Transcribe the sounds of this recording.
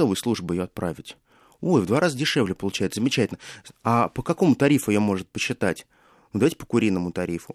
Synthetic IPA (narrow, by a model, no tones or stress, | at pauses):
ovəjslˠuʐbʊjɪjo̞ɐt̪̚pɾavʲɪtʲ | ojvd̪vaɾazədʲɪʂɛvlʲɪpəlˠʊt͡ɕɛjɪt̪szəmʲɪt͡ɕɛtʲɪlʲnəapəkɐko̞mʊt̪ɐɾʲifʊɪjomo̞ʐɨt̪̚pəɕːɪt̪atʲ | nud̪ɐvajʲtʲɪ̥pə̥kʊɾʲinːəmʊt̪ɐɾʲifʊ